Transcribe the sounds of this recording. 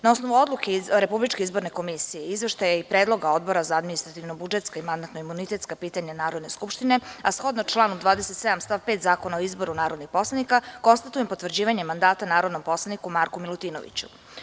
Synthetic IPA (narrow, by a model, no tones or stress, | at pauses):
nao̞sno̞ʋuo̞d̪lˠukeɾe̞publit͡ʃke̞izbo̞ɾne̞ko̞misijeizʋeʃt̪ajaipɾeːd̪lˠo̞ɡao̞d̪̚bo̞ɾazaad̪minist̪ɾat̪iʋnobud͡ʒet̪skaimand̪ant̪noimunit̪e̞t̪skapiːt̪aɲanaːɾod̪ne̞skupʃt̪ine̞asxo̞d̪nat͡ʃlˠaːnumd̪ʋaːd̪eset̪sed̪amst̪afpeːt̪zaːkonaoizbo̞ɾunaːɾod̪nixpo̞slˠanikako̞nst̪at̪ujempo̞t̪ʋr̩d͡ʑiːʋaɲemand̪aːt̪anaːɾo̞d̪no̞mpo̞slˠanikumaɾkumilˠut̪iːno̰ʋḭt͡ɕu̥̰